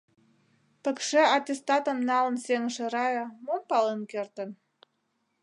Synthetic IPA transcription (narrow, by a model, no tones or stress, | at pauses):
pə̆kʃeɑt̪ʲest̪ɑt̪ə̆mnɑlə̆nseŋəʃĕɾɑjə̆mompɑlenkert̪ə̆n